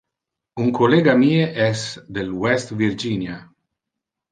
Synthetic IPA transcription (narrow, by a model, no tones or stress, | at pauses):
uŋkʰoleːɡamiːeʔɛsd̪elwɛst̪vird͡ʒinja